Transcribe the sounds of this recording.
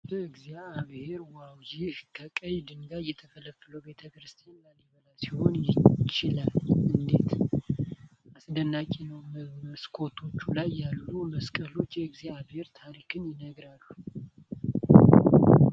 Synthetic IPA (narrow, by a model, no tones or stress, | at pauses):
bəɨɡzjaːβhe̞ɾwawjɪhkʰəkʼəjd̪ɨnɡajːɛt̪ʰəfələfɨləwbe̞t̪ʰəkɾɨst̪ʰijanlaniβəlasiho̞njɪt͡ʃɪlalʔɨnd̪e̞t̪ | ʔasd̪ənːakʼenəwməskʰo̞t̪ʰo̞t͡ʃːulajːalːuməskʼəlo̞t͡ʃːjɛɨɡzaaβhe̞ɾt̪ʰaɾikʰɨnjɪnəɡɾalːu